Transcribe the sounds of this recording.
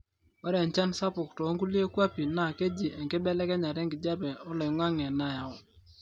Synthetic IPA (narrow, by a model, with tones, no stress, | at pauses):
ɔ˦ɾɛ˨ɲt͡ʃa˦nsa˦pʊ˨ktɔ˨˦ŋɡu˦li˦e˦kwa˦pi˨na˨ke˦d͡ʒi˨ʔɛ˨ŋke˦bɛ˦lɛ˦kɛ˦ɲa˨ɾɛ˦ŋɡɪ˨d͡ʒa˦bɛ˨ɔ˦lɔ˨˦ŋwa˦ŋɛ˨na˦ja˨ɔ˨